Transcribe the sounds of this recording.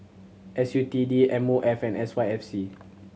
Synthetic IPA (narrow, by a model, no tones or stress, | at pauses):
ʔɛsjutidiɛ̃moʔɛfɛ̃nɛswajɛfsi